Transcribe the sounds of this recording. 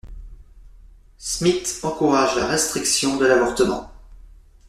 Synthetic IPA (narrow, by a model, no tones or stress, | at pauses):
smit̪ɑ̃kuʁaʒla̰ʁɛst̪χiksjɔ̃d̪əlavɔʁt̪əmɑ̰̃